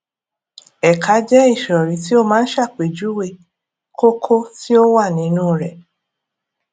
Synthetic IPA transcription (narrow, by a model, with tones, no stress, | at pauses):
ɛ˨kʰa˨˦d͡ʒɛ˦i˦˨ʃɔ˨ɾĩ˨ti˦o˦mãː˨˦n̩˦ʃa˦˨k͡pe˨d͡ʒu˨˦we˦˨ | kʰo˦kʰo˦ti˦o˦wa˦˨nĩ˨˦nũː˦˨ɾɛ˨